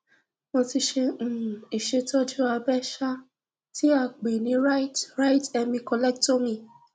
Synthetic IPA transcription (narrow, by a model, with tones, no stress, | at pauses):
mõ˧ti˧ʃẽ˧˨i˨ʃe˧tɔ˦d͡ʒu˦a˧bɛ˦ʃa˦ | ti˦a˦˨k͡pe˨nĩ˨˦ɾa˦tɾa˦i˦tɛ˧mĩ˧kɔ˧lɛ˦k̚to˦mĩ˧˨